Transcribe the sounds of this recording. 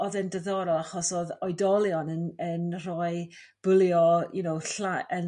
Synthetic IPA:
ɔðɛndəðɔɾɔaχɔsoːðɔjdɔlˠjɔnənənrɔːɨ | b̥ʊlˠjɔjunowɬaʔən

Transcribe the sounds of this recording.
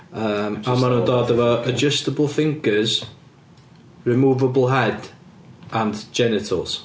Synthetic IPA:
əmamənədɔðəvəəd͡ʒəstəbəlˠfɪ̃ŋkʰəz̥ | ɹɪmuːvəbəlˠɦɛd | ʔə̃nd͡ʒɛnɪtʰəlˠz̥

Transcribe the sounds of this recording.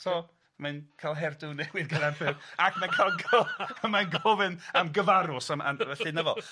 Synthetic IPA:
tʰoː | mankʰalˠɦɛrdʊnɛɡwɪðɡadarbɪvakʰnakʰalˠɡaəmajnɡɔvɨnəmɡəvaɾʊsama̰nvɛɬɨnəvɔ̰lˠ

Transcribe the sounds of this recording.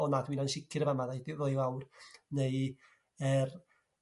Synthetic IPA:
ɔnadwiːnanʃɪkʰɪɾəvamaðajdɪrojwawrnej | ər

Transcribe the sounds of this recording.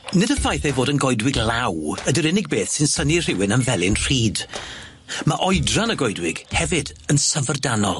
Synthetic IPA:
nɪdəfajθejvoːdənɡɔɨdwɪɡlˠawədəɾɪnɪɡ̚beːθsɪnsənir̥ɪwɪnənvɛlˠɪnr̥iːd̥ | maʔɔjdranəɡɔjdwɪɡ̥hɛvɪdənsəvərdanɔlˠ

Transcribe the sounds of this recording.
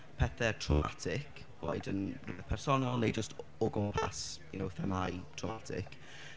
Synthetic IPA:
pʰɛθɛtʰrɔma̰tʰɪkʰ | w̥ɔ̰ɨdənrɪvɛpʰɛrsɔnalˠnejd͡ʒəstʰɔɡʊmpʰa̰sinowθɛmajtʰrɔmatʰɪ̰k

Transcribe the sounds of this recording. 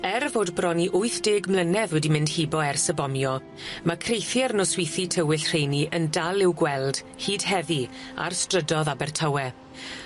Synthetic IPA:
ɛrvoːdbrɔniʔʊɨθd̥eːɡmlˠənɛvwɛdimɪ̃nd̥hibɔɛrsəbɔmjɔ | makʰrejθjɛrnɔswɪjθitʰəwɪɬr̥ejniʔəndalˠɪwɡwɛlˠd̥ | hiːd̥hɛvia̰rstrədɔðabɛrtʰawɛ

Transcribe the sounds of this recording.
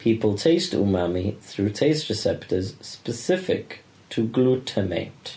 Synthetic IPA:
pʰiˑpəlˠtʰeɪstṵmamiθɹʉːtʰeɪstɹɨsɛptəz̥spəsɪfɪ̰k | tʰəɡlutʰəmḛɪt

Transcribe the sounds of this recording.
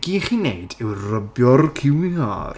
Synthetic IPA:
ɡiχinḛɨdɪwrəbjɔrkʰɪwiɔ̰r

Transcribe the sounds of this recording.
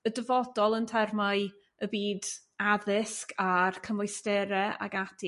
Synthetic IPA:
ədəvɔdɔlˠəntʰɛrmaj | əbiːd | aðɪskʰarkʰəmʊjstɛɾɛa̰ɡatʰi

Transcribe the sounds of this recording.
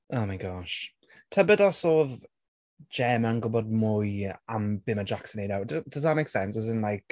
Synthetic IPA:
oːmajɡɔʃ | tʰəbədɔsoːð | d͡ʒɛmənɡʊbɔd̚mʊjamb̥ɪməd͡ʒaksənenawddəs̬ðət̚meɪksɛnsɪzɪnlajk

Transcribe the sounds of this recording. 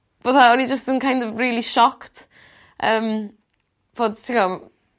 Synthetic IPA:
voːðaɔnid͡ʒəstənkʰajndɔvriːlˠiʃɔkt | ʔəːm | voːd̥̚tʰikɔ

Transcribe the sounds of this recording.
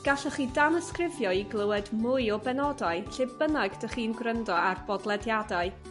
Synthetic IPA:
ɡ̥aɬəχiːdanəskrɪvjɔiɡlˠəwɛdmʊɨɔbɛnɔdaɨɬebənaɡd̥əχiːnɡrəndɔarbɔdlˠɛdjadaɨ

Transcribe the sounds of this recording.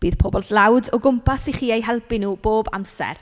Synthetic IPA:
b̥iːð̥pʰɔbɔldlawdɔɡʊmpʰasiχiːejɦɛlˠbɪnuːb̥oːba̰msɛ̰r

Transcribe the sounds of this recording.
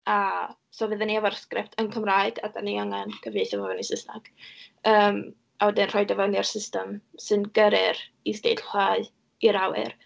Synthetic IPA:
a | sɔvɨðəniavɔrskrɪp̚tʰənkʰəmraːɨɡadaniaŋɛnkʰəviθavɔvɔnisɪsna̰ɡ̥əːm | awɛdɪnr̥ɔjdɔvɔniarsɪstəmsɨnɡəɾɪr | isd̥ejɬχaɨ | iɾawɪ̰r

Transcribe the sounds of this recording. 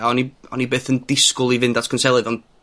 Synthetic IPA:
ɔniɔ̰nibeːθəndɪskʊlˠivɨndatʰkʰənsɛlˠɨðɔn

